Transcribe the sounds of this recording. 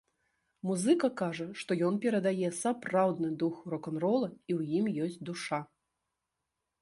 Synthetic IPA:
muzɨkɐkaʐɐʂt̪ɔjɔnpʲɛɾɐd̪ajɛsapɾawd̪nɨd̪uxɾɔkɐnɾɔlˠɐiwjimjɔsʲt͡sʲd̪uʂa

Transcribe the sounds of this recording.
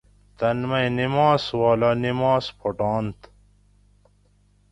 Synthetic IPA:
t̪ɐnmɐjnimaːswaːlanimaːspʰoʈɑːnt̪

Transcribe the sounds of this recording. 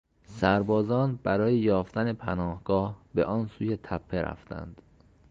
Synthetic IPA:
sæɾbɒːzɒːnbæɾɒːjejɒːft̪ænepʰænɒːhɡ̥ɒːhbeʔɒːnsuːjet̪ʰæpʰːeɾæ̰ft̪æ̰nd̪̥

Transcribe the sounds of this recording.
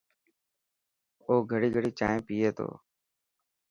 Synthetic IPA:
oːɡʱəɽiːɡʱəɽiːt͡ʃaːɦẽːpiːeːt̪ʰo̰ː

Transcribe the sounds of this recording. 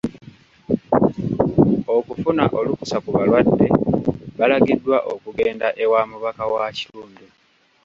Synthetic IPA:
o̞kufunaʔo̞luku̥sakuβalwadːe̞βalaɡidːwaʔokuɡe̞ːndaʔe̞waːmuβakawaci̥luːndu

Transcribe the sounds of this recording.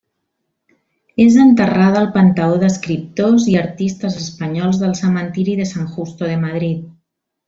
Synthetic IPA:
ezənt̪əraðəlˠpənt̪aoðəskɾip̚t̪oziaɾt̪ist̪əzəspəɲɔlˠzðəlˠsəmənt̪iɾiðəsaŋxust̪oðəmað̞ɾit̪̚

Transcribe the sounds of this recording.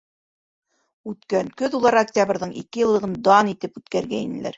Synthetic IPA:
ʉt̪kæŋkɵðulˠɑɾaktʲabɾðɤɴʔḭkɘjɤ̆lˠːɤʁɤnd̪ɑnit̪ɘpʉt̪kæɾɡæinɘ̆læ̰ɾ

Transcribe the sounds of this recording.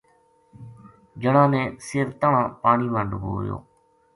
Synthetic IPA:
d͡ʒəɳãːnẽːsɪːɾt̪əɳãːpaːɳiːʋəɳɖbo̰ːjo̰ː

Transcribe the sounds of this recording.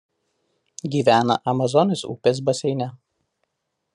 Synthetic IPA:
ɡʲiːʋʲæːnɐ̰ʔɐmɐzɔnʲɪsṵːpʲeːs̬bɐsʲɛɪnʲɛ

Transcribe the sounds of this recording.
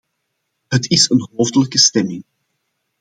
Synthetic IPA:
ɦətɪsənɦoːwvdələkəstɛmɪŋ

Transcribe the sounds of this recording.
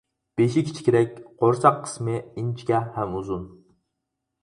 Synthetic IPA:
b̥eʃɪkʲʰi̥t͡ʃʰi̥kʲʰeɾɛk̚ʲqoɾsɑqʰːə̥smɪint͡ʃʰkʲɛhɛmuzun

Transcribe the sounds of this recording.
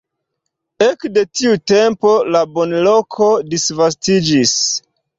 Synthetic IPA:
ekde̞tiute̞mpo̞labo̞nlo̞kʰo̞disvas̬tid͡ʒis

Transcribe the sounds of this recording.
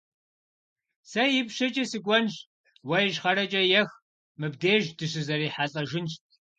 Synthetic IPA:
sɐjɪpɕɐt͡ʃʼɐsɨkʷʼɔnɕ | wɐjʒχɐɾɐt͡ʃʼɐjɛx | mɨbdeːʒdɨɕɨzɐriːħaːɬʼɐʒɪnɕt̚ʼʰ

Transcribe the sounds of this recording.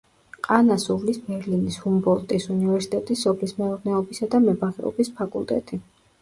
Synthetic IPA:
qʼanasuvlisbɛɾlinishumbɔlˠt̪ʼisunivɛɾsi̥t̪ʼɛt̪ʼisːɔpʰlismɛɔɾnɛɔbisad̪amɛbaʁɛ̰ɔ̰bispʰakʼṵlˠt̪ʼɛ̰t̪ʼi

